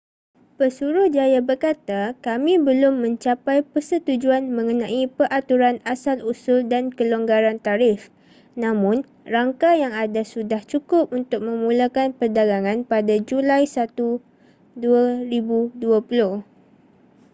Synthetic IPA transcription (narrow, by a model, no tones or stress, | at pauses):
pəsuɾʊhd͡ʒajabərkat̪akamĩbəlʊmːə̃ɲt͡ʃapajpərsət̪ud͡ʒuanmə̃ŋənãʔipəɾʔat̪uɾanasalusʊldankəloŋɡaɾant̪aɾɪf | nãmʊ̃n | raŋkajaŋadasudaht͡ʃukʊp̚unt̪ʊk̚mə̃mũlakanpərdaɡaŋãnpadad͡ʒulajsat̪u | duaɾibuduapulʊh